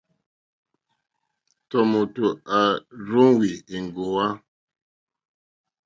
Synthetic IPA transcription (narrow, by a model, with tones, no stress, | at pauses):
tɔ˨mo˨to˨a˨ɾu˦ŋ˦wi˨i˨ŋ˨ɡo˨wa˦